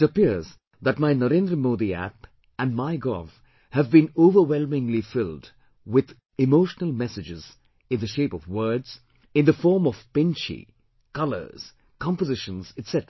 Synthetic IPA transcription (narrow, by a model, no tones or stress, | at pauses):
əpɪɹz | ðæʈ̚maɪnəɾẽnd̪ɾəmoːd̪iæ̰p | æ̃nmaɪɡɔ̰v | hævbĩnoʊvəwɛlˠmɪ̃ŋlifɪlˠd | wɪð | ɪmoʊʃnəlˠmɛsɨd͡ʒɪz | ɨ̃nðɨʃeɪpɔvwɜ˞dz̥ | ɨ̃nðəfɔːɹmɔv̥pɪ̃nt͡ʃḭ | kʌlə̰˞z̥ | kɑ̃mpəzɪʃə̃nz̥ɨtsɛtə